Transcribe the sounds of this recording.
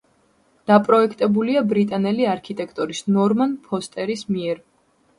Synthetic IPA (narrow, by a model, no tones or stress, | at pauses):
d̪̥apʼɾɔɛkʰt̪ʼɛbuliabɾit̪ʼanɛliaɾkʰit̪ʼɛkʰt̪ʼɔɾisnɔɾmanpʰɔst̪ʼɛɾismiɛɾ